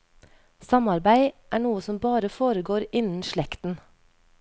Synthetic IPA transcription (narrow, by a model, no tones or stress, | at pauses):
sɑmɑɾbæɪʔæːɳuːəsɔmbɑːɾəfoːɾəɡoːɾɪnn̩ʃɭɛkt̪n̩